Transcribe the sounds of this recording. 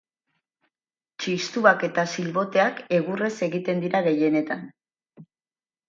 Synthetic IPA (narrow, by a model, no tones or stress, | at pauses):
t͡ʃist̪uake̞t̪asilβo̞t̪e̞ake̞ɣure̞se̞ɣit̪e̞nd̪iɾaɣe̞je̞ne̞t̪an